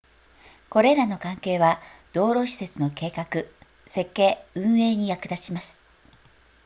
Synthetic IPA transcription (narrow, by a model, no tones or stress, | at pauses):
ko̞ɾe̞ɾano̞kãŋke̞ːβad̪̥o̞ːɾo̞ɕi̥se̞t͡sɨno̞ke̞ːkakɯ̟ | se̞kːe̞ːɯ̟̃ɰ̃e̞ːɲ̟ijakɯ̟d̪aɕimasɨ̥